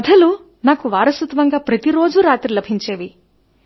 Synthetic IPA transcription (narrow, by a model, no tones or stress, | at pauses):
ɐd̪ʱɐlu | naːkuʋaːɾɐsut̪ʋɐŋɡaːpɾɐt̪iɾo̞ːd͡ʒuɾaːt̪ɾilɐbʱiɲt͡ʃe̞ːʋi